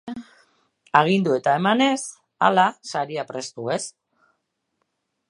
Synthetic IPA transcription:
aɣ̞ind̪ue̞t̪ae̞mane̞s | a̰lasaɾiapɾe̞st̪ue̞s

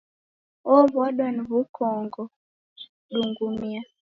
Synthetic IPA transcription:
ɔβɔɗɔnβukʰɔŋɡɔ | ɗuŋɡumia

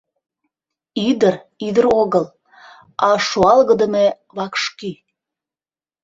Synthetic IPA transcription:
id̪ərid̪əɾoɣəl | ɑʃoɑlɣəd̪əme | βɑkʃky

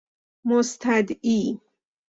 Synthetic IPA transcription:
most̪ʰæd̪iː

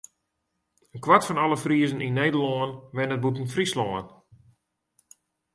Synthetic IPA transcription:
ənkwatfɔnɔlˠəfriəzəninːejdəlɔənʋɪnət̚butənfrislɔːən

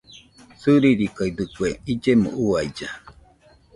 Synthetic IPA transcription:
sɨɾiɾikaid̪ɨkweid͡ʒemõ̰ʔuaid͡ʒa

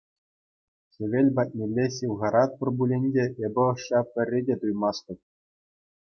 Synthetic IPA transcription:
ɕʲĕʋʲelʲbɑt̚ʲnʲelʲːeɕʲiwʁɑɾɑt̪̚pɤ̆rbulʲenʲdʲeʔebʲɘ̆ɤ̆ʂːɑpʲɘ̆rʲːedʲet̪ujmɑst̪ʲɤ̆p̚ʲ

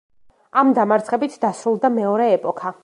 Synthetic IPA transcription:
amd̪amaɾt̪χɛbit̪ʰd̪asɾulˠd̪amɛɔɾɛːpʼɔkʰa

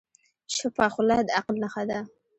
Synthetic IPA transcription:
ʃəpɑxʊlɑd̪əaqlnaxad̪a

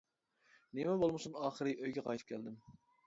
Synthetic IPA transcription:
nemɛbolˠmɨsunɑːχəɾɨʔøjɡʲɛqʰɑjt̪ʰɨ̥p̚kʰʲæld̪ɪm

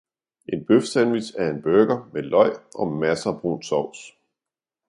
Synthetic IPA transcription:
ʔe̝nb̥øfsænʋisæɐe̝nb̥øɡ̥ɐmelɒ̽ɪ̰ʔɒ̽mæsɐb̥ʁṵnsɒʊ̰s

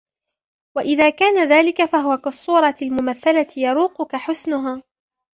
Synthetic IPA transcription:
waʔɪðaːkaːnaðaːlɪkafaɦʊwakɑsˤːuːɾˤɑlmʊmaθːalat̪jɑɾuːqʊkaħʊsnʊɦaː

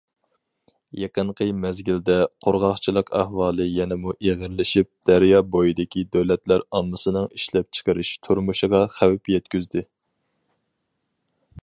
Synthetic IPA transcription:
jeqəɴqʰəmɛzɡʲild̪ɛqʰoɾʁɑχt͡ʃʰilˠəqæ̰hwɑːlˠɨjɛnɛmuʔeʁəɾlɪʃip̚d̪̥æɾjɑbojid̪ɪkʲid̪øwlɛt̪læɾɑmːɨsɨnɨŋiʃlɛp̚t͡ʃʰə̥qəɾɨʃt̪ʰuɾmuʃɨʁɑχæwɪpjɛt̪kʲyzd̪ɪ

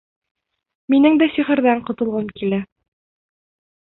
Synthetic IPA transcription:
minɘŋd̪æsiχɘ̆ɾðæɴqŏt̪ɤ̆lˠʁɤmkilæ

